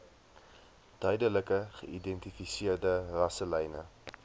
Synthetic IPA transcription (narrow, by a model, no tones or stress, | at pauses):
d̥œɥdələkəχəidɛntifisiərdərɐsəlɛjnə̰